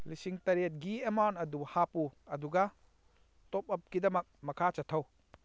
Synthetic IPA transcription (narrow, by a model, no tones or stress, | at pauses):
lisiŋtɐɾet̚ɡiemawntɐduhapuɐduɡɐ | tɔp̚ɐp̚kidɐmɐk̚mɐkʰat͡ʃɐtʰɐw